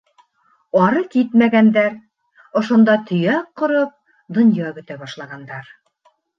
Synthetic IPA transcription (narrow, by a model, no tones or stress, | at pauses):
ɑɾɤkit̪mæɡænd̪æɾ | ŏʃŏnd̪ɑt̪ʰɵ̆jækqːŏɾop̚ | d̪ŏnjɑkɵ̆t̪æβɑʃlˠɑʁɑnd̪ɑɾ